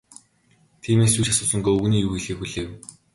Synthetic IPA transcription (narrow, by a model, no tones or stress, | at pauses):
t̪ʰiːmeːsjuːt͡ɕasʊːsə̆ŋɡoːuɣniːjuːxiɮiːxuɮeːw